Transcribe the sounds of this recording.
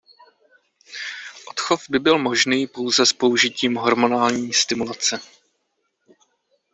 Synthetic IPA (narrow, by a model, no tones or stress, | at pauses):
ʔo̞t̪xo̞fbɪbɪlmo̞ʒniːpo̞wzɛspo̞uʒɪciːmɦo̞ɾmo̞naːlɲiːst̪ɪmulat͡sɛ